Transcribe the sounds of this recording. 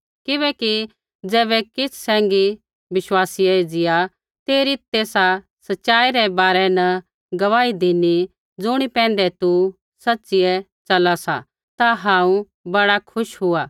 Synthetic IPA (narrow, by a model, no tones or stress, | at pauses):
kɪβɛːki | d͡zɛːbɛkɪssɛ̃ːŋɡi | bɪʃwaːsijad͡zɪja | t̪eːɾit̪eːsa | sɐtːʃaːiɾɛbaːɾɛnɐ | ɡɐʋaːid̪ɪni | d͡zʊɽ̃ipɛ̃ːnd̪ɛt̪u | sɐtːsɪjɛ | t͡ʃɐlasa̰ | t̪aɦãːũ | bɐɽakʰʊʃɦʊa